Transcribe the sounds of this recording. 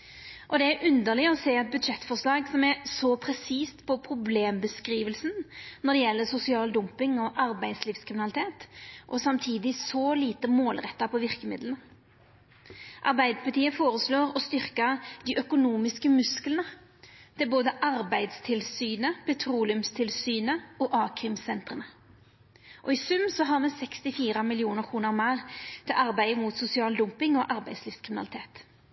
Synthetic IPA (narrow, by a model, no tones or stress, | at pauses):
ʔɔd̪ɛæɾʔʉnd̪əʁlɪɔseːɛt̪̚bʉd̪ʃɛt̪ːfɔʁʂlɑːɡsɔmæɾsɔpʰʁɛsiːst̪pʰɔpʰɾʊbleːmbəskɾiːʋəlsnnɔd̪ɛjɛlːəsʊsɪɑːld̪ʊmpɪŋɔʔɑɾbæɪd̪sliːfskʰʁɪmɪnɑlɪt̪ʰeːt̪ʔɔsɑmt̪ʰiːd̪ɪsɔliːt̪əmoːlʁɛt̪ːɑpʰɔʋɪʁkəmɪ̰d̪lənə | ʔɑʁbæɪd̪pʰlt̪ʰiːəfoːɾəsloːɾɔst̪ʏɾkəd̪iːʔœkʊnuːmɪskəmʉsklənə | d̪̥ʰɛæboːd̪əʔɑʁbæɪd̪st̪ʰɪlsyːnəpʰɛt̪ʰɾuːlɪʉmst̪ʰɪlsyːnəɔːʔɑːkʰʁɪmsɛnt̪ʁənə | ʔɔiːsʉmːsɔɦɑːʁmɛsɛkst̪ɪfiːʁəmɪlɪuːnəʁkʰʁuːnəʁmæːʁt̪ʰɛlʔɑʁbæɪəmut̪sʊsɪɑːld̪ʊmpɪŋɔʔɑʁbæɪd̪sliːfskʰʁɪmɪnɑlɪt̪ʰeːt̪